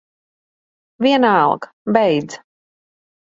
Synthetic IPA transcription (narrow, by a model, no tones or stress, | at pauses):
viɛnalˠk | bɛjd̪z